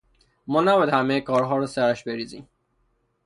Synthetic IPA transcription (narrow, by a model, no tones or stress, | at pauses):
mɒːnæbɒæd̪hæmejekʰɒːɾɦɒːɾɔsæɾæʃbe̞ɾiːzḭːm